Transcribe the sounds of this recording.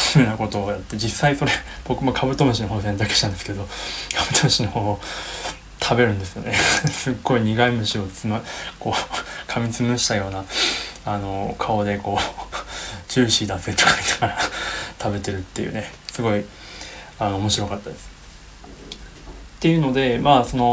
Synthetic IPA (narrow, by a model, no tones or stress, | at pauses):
snako̞t̪o̞ːjat̪ːe̞d͡ʑisːaiso̞ɾe | b̥o̞kɯ̟makʰabɯ̟t̪o̞mɯ̟ɕino̞ɦoːs̬ẽ̞nt̪ake̥ɕi̥ãnd̪eske̞d̪o̞kʰab̥ɯt̪omɯɕinoho̞ː | t̪ʰabe̞ɾɯ̟̃nd̪e̞sɨjo̞̰nesɨɡːo̞iɲ̟iɡaimɯ̟ɕio̞t͡sɨmko̞ːkʰamʲit͡sɨmɯ̟ɕi̥t̪ajo̞ːnaano̞kʰaod̪e̞ko̞ː | t͡ɕɨːɕiːt̪ãset̪o̥kamʲinakaɾat̪ʰabe̞t̪e̞ɾɯ̟t̪ːe̞jɯ̰ːne̞sɨɡo̞i | ano̞ːmo̞ɕiɾo̞kat̪ːad̪esɨ̥ | t̪ːe̞jɯ̟no̞d̪e̞maːso̞no̞